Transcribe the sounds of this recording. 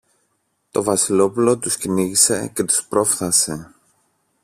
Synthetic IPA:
t̪o̞vɐsilo̞pulo̞t̪usciniʝise̞̰ce̞t̪u̥spɾo̞fθɐse̞

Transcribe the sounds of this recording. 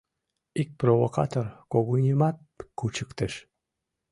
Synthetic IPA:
ik̚provokɑ̰t̪orkoɣunʲəmɑt̪̚kut͡ɕəkt̪ə̆ʃ

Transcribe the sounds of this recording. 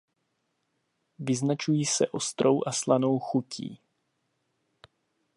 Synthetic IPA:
vɪznat͡ʃujiːsɛʔo̞st̪ɾo̞wʔaslano̞wxucḭː

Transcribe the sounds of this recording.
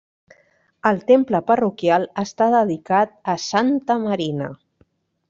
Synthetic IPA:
əlˠt̪empləpərukjalˠəst̪aðəðikat̪̚əsant̪əməɾinə̰

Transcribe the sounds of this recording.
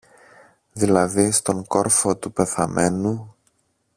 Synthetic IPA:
ðilɐðist̪o̞ŋko̞ɾfo̞t̪upe̞θɐme̞nu

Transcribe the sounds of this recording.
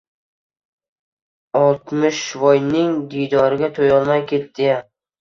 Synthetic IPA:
ɒlˠt̪mɪʃvɒjnɪŋd̪ijd̪ɒɾɪɡʲat̪ʰojɒlˠmajkʲʰe̞t̪̚d̪ɪjam

